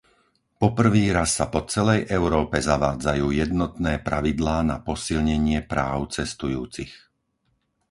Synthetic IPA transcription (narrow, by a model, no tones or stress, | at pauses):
pɔpr̩ʋiːɾasːapɔt͡sɛlɛjʔɛʊɾɔːpɛzaʋaːd͡zajuːjɛd̪nɔt̪nɛːpɾaʋid̪laːnapɔsilɲɛɲɪɛpɾaːʊt͡sɛst̪ujuːt͡six